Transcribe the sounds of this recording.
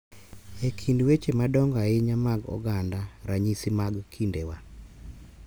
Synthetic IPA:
ekʰindwet͡ʃemadɔŋɡaɪɲamaɡɔ̰ɡandaɾaɲisimaɡkʰindewa

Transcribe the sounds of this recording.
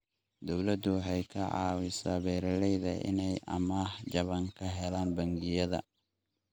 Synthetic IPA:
d̪ɔwlɐd̪ʊɦɛjkʰɐʕɑ̰ːwɪsaːβɛːɾɐlɛjðɐ̰ʔɪ̰nɛjɐ̰maːhd͡ʒɐβɐŋkʰɐɦɛlaːnbɐŋɡɪjɐðɐ̰

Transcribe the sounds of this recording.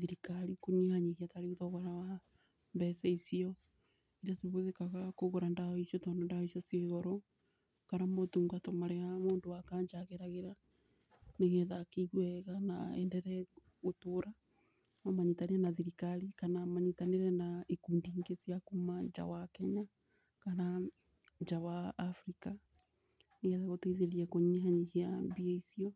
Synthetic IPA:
ðiɾikaɾikuɲihaɲiɣiataɾeuðɔɣɔɾawa | mbɛsɛisiɔ | iɾaseβoðekaɣakoɣoɾandaɔisijɔtɔːndɔndahisjɔseːɣɔɾɔ | kaɾamotuːŋɡatɔmaɾɛɣamoːndoakaːɲd͡ʒaɣeɾaɣeɾa | neɣɛðakeiɣwɛɣana̰ɛ̰ndɛɾɛ | ɣotoːɾa | amaɲitaneɾɛnaðiɾikaɾikanamaɲitaneɾɛnaikuːndiŋɡesjakumaɲd͡ʒa̰wakɛɲa | kana | ɲd͡ʒawaːfɾika | neɣɛðaɣoteiðeɾiɛkoɲiɦaɲihiambiɛisiɔ

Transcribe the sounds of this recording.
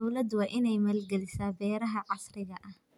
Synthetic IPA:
wlɐd̪wɑːʔɪnɛjmɛːlɡɛlɪsaːbɛːɾɐɦɐʕɑsrɪɣɐʔɐh

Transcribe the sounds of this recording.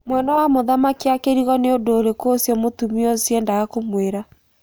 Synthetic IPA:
mwɛnawamoðamakiakeɾiɣɔneondoɾekosjɔmotumiɔsjɛndaɣakomweɾa

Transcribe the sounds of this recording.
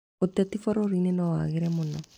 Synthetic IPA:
otɛtifɔɾɔɾinenɔwa̰ɣeɾɛmona

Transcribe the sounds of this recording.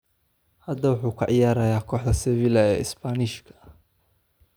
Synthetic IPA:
hɐd̪ɐwʊħuːkʰɐ̰ʕɪjaːɾɐjaːkʰɔːħðɐsɛβilɐɛːɪsbanɪʃkʰɐ̥

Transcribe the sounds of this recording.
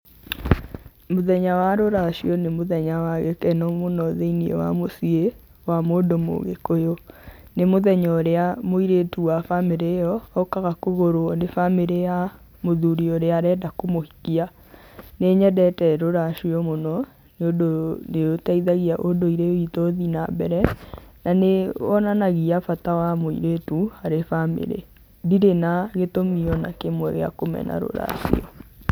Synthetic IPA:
moðɛɲawaɾoɾaʃwɔnemoðɛɲawaɣekɛnɔmonɔðeiniḛwa̰mosie | wamodomo̰ːɣḛkojonemoðɛɲɔɾeamoiɾetuwafameɾejɔːkaɣakoɣoɾoɔnefameɾea | moðuɾiɔɾeaɾɛdakomohikia | neɲɛdɛtɛɾoɾaʃiɔmonɔ | neodoneotaiðaɣiaʔodoiɾewitoðina̰bɛɾɛnaneɔnanaɣiafatawamoḭɾetuaɾefamḛɾḛ | diɾenaɣetomiɔna̰kemɔɾḛa̰komɛ̰nʔa̰ɾo̰ɾa̰ʃḭɔ̰

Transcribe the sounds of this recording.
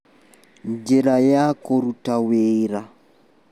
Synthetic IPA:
nd͡ʒɛlajakoɾutaweːɾa

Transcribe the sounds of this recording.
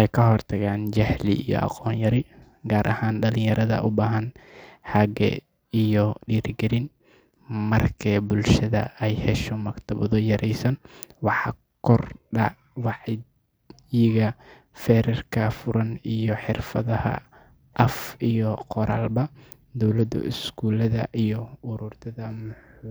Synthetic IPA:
ʔɛjkʰɐɦɔrt̪ʰɐɣaːnt͡ʃɐhlḭijɔ̰ʔɑ̰qɔːnjɐɾɪ | ɡaːɾʔɐhaːnɖɐlɪ̃jɐɾɐðɐ̰ʔʊbaːɦɐnhɐɡɛ̰ | ijɔɖiːɾɡɛɾɪn | mɐrkʰɛbʊlʃɐðɐ̰ɛjhɛʃɔmɐkt̪ʰɐβɔðɔjɐɾʔɛjsɐnwɑħɑ̰ | kʰɔrɖɑ̰ | wɑʕɪ | jɪɣɐ | fɛːɾɛrkʰɐfʊɾɐnijɔħɪrfɐðɐhɐ̰ | ʔɐfijɔqɔɾʔa̰ːlbɐ | d̪ɔwlɐd̪̰ɪ̰skʰuːlɐðɐ̰ʔijɔʊɾuːrt̪ʰɐðɐmʊ

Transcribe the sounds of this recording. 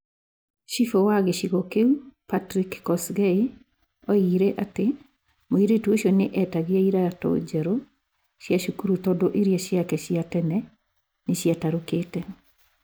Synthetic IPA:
ʃifɔwaɣeʃiɣɔkeupatɾikːɔsɣɛi | ɔiɾɛʔate | moiɾetuoɕiɔneʔɛtaɣeaiɾatɔ̰d͡ʑɛɾo | ʃjaʃukuɾutɔdɔʔeɾiaɕjakɛɕiatɛnɛ | neɕjataɾoketɛ

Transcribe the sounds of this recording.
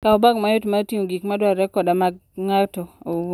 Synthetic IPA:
kaɔbaɡmajotmatiŋoɡikmadwaɾɛkɔdamaɡ̚ŋatɔo

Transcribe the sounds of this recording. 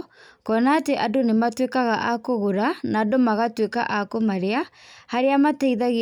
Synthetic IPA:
kɔnaːteʔadonematwekaɣaʔakoɣoɾanaːdomaɣatweka̰ʔakomaɾeahaɾeamataiðaɣe

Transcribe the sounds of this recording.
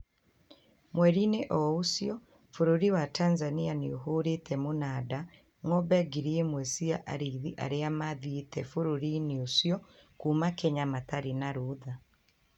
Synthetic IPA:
mwɛɾineʔɔosjɔ | foɾoɾiwatʰaːnzanianeoɦoɾetʰɛmonaːda | ŋɔbɛɡiɾiemwɛsiaʔa̰ɾiðiʔa̰ɾeamaðietɛfoɾoɾineosjɔkuːmakɛɲamataɾinaɾoːða

